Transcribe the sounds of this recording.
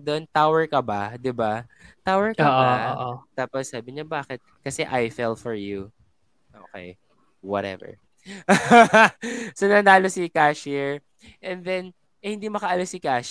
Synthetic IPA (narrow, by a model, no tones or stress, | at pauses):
d̪ont̪awɛɹkɐbad̪ɪbat̪awɛɹkɐːʔaoːʔot̪aːpɔssaːbɪɲɐbaːkɛt̪̚kɐsɛʔajfɛlfɔɹju | ʔoːkɛ̰j | wɔt̪ɛ̰vɛ̰ɹ | sonɐnaːlosikaːʃiɹ | ʔɛnd̪ɛn | ʔɛhɪnd̪imɐkɐʔɐlosɪkaːʃ